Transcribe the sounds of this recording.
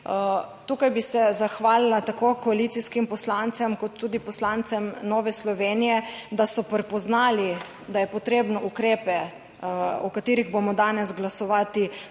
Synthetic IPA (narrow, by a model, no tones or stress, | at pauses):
t̪uːkajbisɛzaxʋaːlilat̪akoːkɔalit̪iskimpɔslant̪sɛmkɔt̪ːuːd̪ipɔslant̪sɛmnɔːʋɛslɔʋeːnijɛd̪asɔpɾɛpɔznaːli | d̪ajɛpɔt̪ɾeːbnɔʔukɾeːpɛ | ɔkat̪iːɾiɣbomɔd̪aːnɛzɡlasɔʋaːt̪i